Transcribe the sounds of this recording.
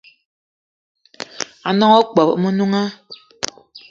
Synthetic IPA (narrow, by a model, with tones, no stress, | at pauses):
a˨nɔ˦ŋɔ˦k͡pɔ˨pmə˦nu˦ŋa˦